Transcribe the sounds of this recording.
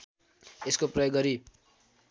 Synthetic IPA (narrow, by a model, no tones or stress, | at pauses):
eskoprʌjoɡːʌɾi